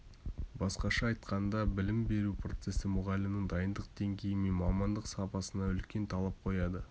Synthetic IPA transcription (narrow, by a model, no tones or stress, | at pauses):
bɑsqɑʃɑːjt̪qɑnd̪ɑbɪlɪmbe̞ɾupro̞t̪se̞sɪmʊʁɑlɪmnəŋd̪ɑjənd̪əq̚d̪̥e̞ŋɡʲe̞jɪmenmɑmɑnd̪əqsɑpɑsənɑʏlkʲe̞nt̪ʰɑlˠɑp̚qʰo̞jɑd̪ə